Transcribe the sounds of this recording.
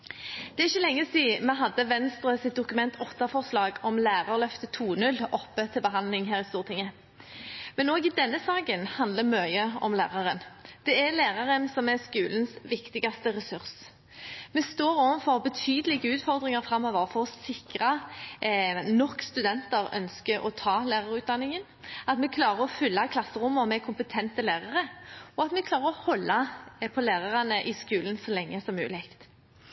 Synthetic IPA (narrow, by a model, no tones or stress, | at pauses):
d̪̥ɛɛɪçːəlɛŋːəsiːmɛɦɑd̪ːəʋɛnst̪ɾəsɪt̪̚d̪ʊkʉmɛnt̪ʰɔt̪ɑfɔʁslɑːɡɔmlæːɾɑʁlœft̪ət̪ʰuːnʉlːɔpːət̪ʰɪlbəɦɑnlɪŋɦæːʁɪst̪uːʁt̪ʰɪŋːə | mɛnoːɡɪd̪ɛnːəsɑːɡənhɑnd̪ləmœʏəɔmlæ̰ːʁɑʁənd̪̥ɛɛɾlæːʁɑʁənsɔmɛskʉːlənsʋɪkt̪ɪɡɑst̪əʁɛsʉʁs | mɛst̪oːɾoːʋənfɔʁbət̪ʰyːd̪əlɪɡəʉːt̪fɔʁd̪ʁɪŋɑʁfʁɑmːɔːʋəʁfɔʁɔsɪkɾɑ | nɔkst̪ʉd̪ɛnt̪əɾœ̰nskəɔ̰t̪ʰɑːlæːʁɑʁʉːt̪̚d̪ɑnːɪŋən | ɑt̪mɛkʰlɑːɾəɾɔfʉlːɑkʰlɑsəʁʊmːɔmɛkʰʊmpət̪ʰɛnt̪əlæːʁɑʁəɔɑt̪mɛkʰlɑːʁəʁɔhɔlːɑpʰɔlæːʁɑʁɑnəʔɪskʉːlənsɔlɛŋːəsɔmʉ̰ːlækt̪